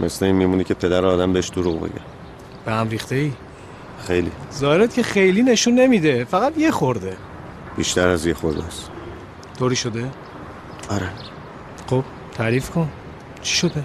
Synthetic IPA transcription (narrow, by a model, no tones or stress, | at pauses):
mʔḛsleiːnmiːmunicʰepʰe̞d̪æɾɛɒːd̪æmbeeʃd̪̥oɾuɣbḛɡæ̰ | b̥ehæmɾiːxt̪e̞iː | xejlizɒːheɾet̪cʰe̞xe̞jliːne̞ʃunːe̞mid̪e̞fæɣæd̪jexoɾd̪e̞ | b̥iʃt̪ʰæɾæzjexoɾd̪æs | t̪ʰoɾiːʃod̪e | ɒɾe | xob̥ | t̪ʰæɾiːfkʰon | t͡ʃʰi̥ʃod̪e